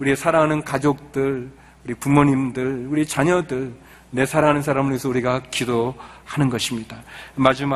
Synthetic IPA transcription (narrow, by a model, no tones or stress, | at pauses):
uɾiesʰaɾaŋɦanɯnkad͡ʑok̚t͈ɯɭ | uɾipumoɲimdɯɭuɾiet͡ɕaɲʌdɯɭ | ne̞sʰaɾaɦanɯnsʰaɾamɯɾesʰʌuɾiɡakidohanɯnɡʌɕʰimɲid̥amad͡ʑima